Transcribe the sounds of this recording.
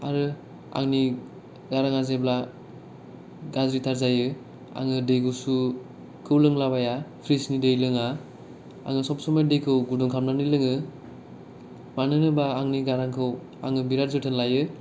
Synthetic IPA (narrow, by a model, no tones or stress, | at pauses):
a̰ɾɯ | a̰ŋni | ɡaɾaŋazebla | ɡazɾitʰaɾzajɯ | a̰ŋɯdejɡʰɯsu | kʰɯwlɯŋlaβajapʰɾisnidejlɯŋa | a̰ŋɯsɔpsɔmadejkʰɯwɡuduŋkʰamnanilɯŋɯ | manɯnɯbaːŋniɡaɾaŋkʰɯw | a̰ŋɯbiɾaɾzɯtʰenlajɯ